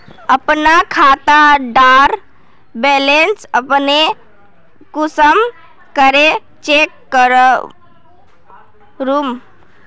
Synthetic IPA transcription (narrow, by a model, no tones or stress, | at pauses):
əpnakʰat̪aɖaɾ | belensəpne | kusəm | kəɾe | t͡ʃekːəɾə | ɾum